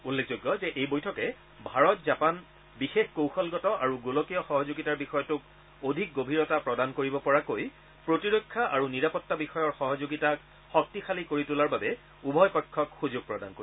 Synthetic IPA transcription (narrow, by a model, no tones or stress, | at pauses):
ulːekʰzojɡːɔzɛʔejbojtʰɔkɛ | bʱaɹɔtzapan | bixexkowxɔlɡɔtɔʔaɹuɡulɔkijɔxɔɦɔzuɡitaɹbixɔjɔtʊk | odʱik̚ɡobʱiɹɔtapɹɔdankoɹibɔpɔɹakoj | pɹotiɹokʰːaʔaɹuniɹapɔtːabixɔjɔɹxɔɦɔzoɡitak | xɔk̚tixalikoɹitulaɹbabɛ | ubʱɔjpɔkʰːɔkxuzʊɡ̚pɹɔdanko